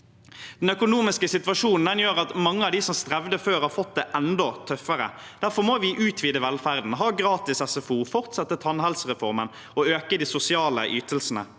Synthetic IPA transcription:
d̪̥ɛnœkʊnuːmɪskəsɪt̪ʋɑʂuːnn̩d̪ɛnjøːʁɑt̪mɑŋːəɑʋd̪ɪsɔmst̪ʁɛʋd̪əføːɾhɑːʁfɔt̪̚d̪ɛʔɛnd̪ɔt̪ʰœfəɾə̰ | d̪̥æɾfɔʁmoːʋɪʔʉːt̪ʰʋiːd̪əʋɛlfæʁd̪n̩ɦɑːɡɾɑːt̪ɪsɛsɛfuːfɔʁt̪sɛt̪ːət̪ʰɑnhɛlsʁɛfɔʁmən | ɔøːkəd̪isʊsɪɑːləʔyːt̪əlsnə̰

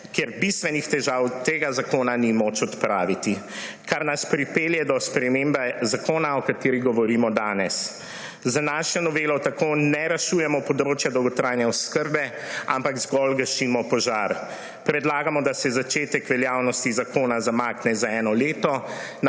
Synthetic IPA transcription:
kjɛɾbist̪ʋɛnixt̪ɛʒaːwt̪eːɡazakoːnanimot͡ʃɔt̪pɾaːʋit̪i | kaɾnaspɾipeːljɛd̪ɔspɾɛmembɛzakoːnaɔkat̪eːɾiɣɡɔʋɔɾiːmɔd̪aːnɛs | zanaʃɛnɔʋeːlɔt̪akoːnɛɾɛʃujɛmɔpɔd̪ɾoːt͡ʃjad̪ɔwɡɔt̪ɾajnɛɔskəɾbɛ | a̰mpaɡzɡɔlɡəʃiːmɔpɔʒaɾ | pɾɛd̪laːɡamɔd̪asɛzat͡ʃeːt̪ɛkʋɛljawnɔst̪izakoːnazamaːknɛzaɛːnɔleːt̪ɔn

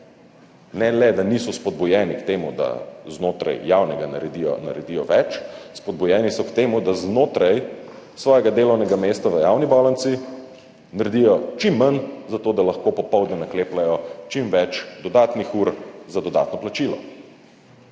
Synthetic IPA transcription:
nɛlɛd̪anisɔspɔd̪̚bujɛːnikt̪eːmud̪a̰znoːt̪ɾa̰jjaːwnɛɡana̰ɾɛd̪ijɔ̰na̰ɾɛd̪ijɔʋɛt͡ʃspɔd̪̚bujɛːnisɔkt̪eːmud̪aznot̪ɾaj | sʋɔːjɛɡad̪eːlɔwnɛɡameːst̪aʋəjaːwnibɔːlansi | naɾd̪ijɔt͡ʃimːanzat̪oːd̪alɐxkopɔpɔwd̪nɛnakleːplajɔt͡ʃimʋɛt͡ʃd̪ɔd̪aːt̪nixuːɾzad̪ɔd̪a̰ːt̪nɔplat͡ʃilɔ̰

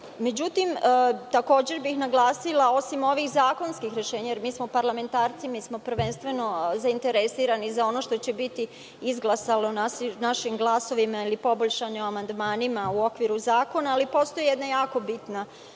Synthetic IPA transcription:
me̞d͡ʑut̪imt̪ako̞ːd͡ʑe̞ɾbixnaɡlˠaːsilˠao̞simo̞ʋixzaːko̞nskixɾe̞ʃe̞ːɲajeɾmiːsmopaɾlame̞nt̪aːɾt̪simismo̞pɾ̩ʋe̞nst̪ʋe̞no̞zaint̪e̞ɾesiːɾanizao̞no̞ːʃt̪o̞t͡ɕe̞bit̪i | izɡlˠasalonanaʃimɡlˠaso̞ʋimailipo̞boʎʃanioamand̪maːnimauo̞kʋiɾuzaːko̞naːlipo̞st̪o̞jijed̪najaːko̞bit̪na

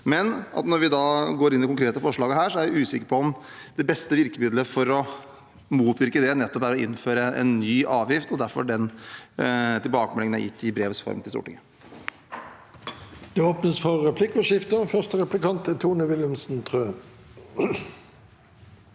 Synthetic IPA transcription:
mɛnɑ̰t̪nɔɾʋɪd̪ɑːɡoːɾɪnːɪkʊŋkɾeːt̪əfɔʂɭɑːɡəɦæːʂɔæɾʋɪʉːsɪkəɾpʰɔɔmd̪̥ɛbɛst̪əʋɪɾkəmɪd̪ləfɔɾɔ | muːt̪ʰʋɪɾkəd̪ɛnɛt̪ːɔpæɾɔɪ̰nːføːɾəɛ̰nːyːʔɑːʋjɪft̪ɔd̪æɾfɔ̰ɖɛn | t̪ʰɪlbɑːkəmɛlɪŋənæ̰ɾjɪ̰t̪ʰːɪbɾeːʋəsfɔ̰ɾmt̪ɪlst̪ṵːʈɪ̰ŋə | d̪̥ɛoːpnəsfɔʁːɛpʰlɪkːmɔʃɪft̪əfœʁstəɾɛplɪkɑnt̪æt̪ʰuːnəʋɪləmsn̩t̪ʰʁøː

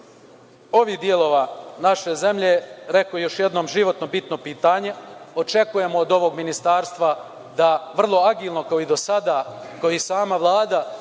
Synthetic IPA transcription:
o̞ʋiːd̪ielˠo̞ːʋanaʃe̞ze̞mʎe̞ɾe̞kojo̞ʃje̞d̪no̞ːmʒiʋo̞t̪nobit̪no̞piːt̪aːɲe̞o̞t͡ʃe̞kuje̞mo̞ːd̪o̞ʋo̞ɡminist̪aːɾst̪ʋa | d̪aʋr̩lˠo̞aɡiːlˠno̞kaoid̪o̞sad̪aːkaoisaːmaʋlˠaːd̪a

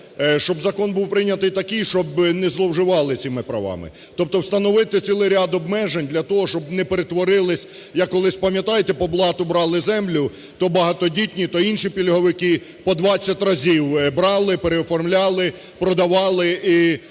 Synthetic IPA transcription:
ʃt͡ʃɔbzɐkɔnbuwpɾɪnʲɐt̪ɪjt̪ɐkɪjʃt͡ʃɔbnɛzlˠɔwʒɪʋɑlˠɪt͡sʲimɪpɾɐ̰ʋɑ̰mɪ̰ | t̪ɔp̚t̪ɔwst̪ɐnɔʋɪt̪ɪt͡sʲsʲilˠɪjɾʲad̪ɔbmɛʒenʲd̪lʲɐt̪ɔɦɔʃt͡ʃɔb̚nɛpeɾet̪ʋɔɾɪlˠɪsʲjɐkːɔlˠɪsʲpɐmjɐt̪ɑjet̪ɛpɔblˠɑt̪ʊbɾɑlˠɪzɛmlʲʊ | t̪ɔbɐɦɑt̪ɔdʲitʲnʲit̪ɔinʃipʲilʲɦɔʋɪkɪ | pɔd̪ʋɑt͡sʲːɐtʲrɐzʲiwbɾɑlˠɪpeɾeɔfɔrmlʲɑlˠɪ | pɾɔd̪ɐʋɑlˠɪi

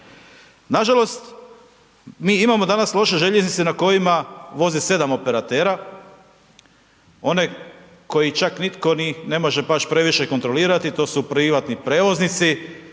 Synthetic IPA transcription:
naʒalo̞st̪ | miːimamo̞d̪anaslˠo̞ʃe̞ʒe̞ʎeznit̪senako̞jimaʋo̞zise̞d̪amo̞pe̞ɾat̪e̞ːɾa | o̞ne̞ | ko̞jit͡ʃaknit̪ko̞nine̞mo̞ʒe̞baʃpɾe̞ʋiʃe̞ko̞nt̪ɾo̞liːɾat̪it̪o̞ːsupɾiʋat̪nipɾe̞ːʋo̞znit̪si

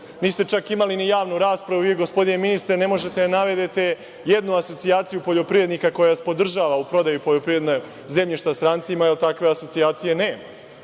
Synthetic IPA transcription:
niːst̪e̞t͡ʃakimalinijaːʋnuɾaːspɾaʋuieɡo̞spo̞d̪ine̞minist̪ɾene̞mo̞ʒe̞t̪e̞d̪anaʋe̞d̪et̪e̞ | jed̪nuaso̞t̪siaːt̪sijupo̞ʎo̞pɾije̞d̪nikako̞jaʋaspo̞d̪r̩ʒaːʋaupɾo̞d̪ajupoʎo̞pɾiɾe̞d̪no | ze̞mʎiʃt̪ast̪ɾant̪simajelt̪akʋe̞aso̞t̪siaːt̪sije̞ne̞ː

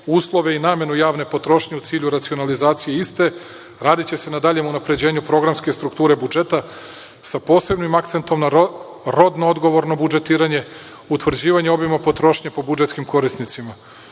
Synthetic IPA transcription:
uːslˠo̞ʋe̞inaːmje̞nujaːʋne̞po̞t̪ɾo̞ʃɲe̞ut̪siːʎuɾat̪sio̞nalizaːt̪sije̞ist̪e̞ | ɾaːd̪it͡ɕe̞se̞nad̪aʎe̞munapɾe̞d͡ʑe̞ːɲupɾo̞ɡɾamske̞st̪ɾukt̪uːɾe̞bud͡ʒe̞t̪a | sapo̞ːse̞bnimak̚t̪se̞nt̪o̞mna | ɾo̞d̪nood̪ɡo̞ʋo̞ɾno̞bud͡ʒe̞t̪iːɾaɲe̞ | ut̪ʋr̩d͡ʑiːʋaɲeo̞bimapo̞t̪ɾo̞ʃɲepo̞bud͡ʒet̪kimkʰo̞ɾisnit̪sima

